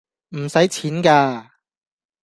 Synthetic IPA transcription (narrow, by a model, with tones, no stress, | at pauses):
m̩˨˩sɐ˨˥jt͡sʰiː˨˥nkaː˧